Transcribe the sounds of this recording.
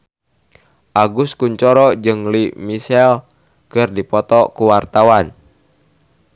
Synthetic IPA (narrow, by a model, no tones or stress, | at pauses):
ʔaɡuskuɲt͡ʃɔɾɔd͡ʒɨŋlimisɛl | kɨrdipɔt̪ɔkuwart̪awan